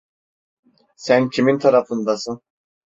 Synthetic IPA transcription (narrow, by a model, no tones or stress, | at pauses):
sæncʰimint̪ʰaɾafɯnd̪asɯn